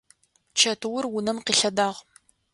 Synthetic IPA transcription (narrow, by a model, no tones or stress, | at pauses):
t͡ʃʰɐtʰɨwʊrwʊnɐmqiːɬɐdaːʁ